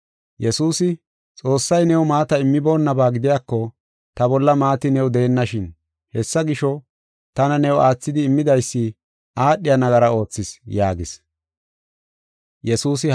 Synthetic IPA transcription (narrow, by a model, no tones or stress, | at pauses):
jɛsuːsɪ | t͡sʼo̞ːsːɐjnɛwʊmaːt̪ɐɪmːɪbo̞ːnːɐbaːɡɪd̪ɪjaːkːɔ | t̪ɐbɔlːɐmaːt̪ɪnɛwʊd̪ɛːnːɐʃɪn | hɛsːɐɡɪʃɔ | t̪ɐnɐnɛwʊaːt͡sːɪd̪ɪːmːɪd̪ɐjsːɪ | ʔaːɗːɪjɐnɐɡɐɾɐo̞ːt͡sːɪsjaːɡɪs | jɛsuːs̬ɪ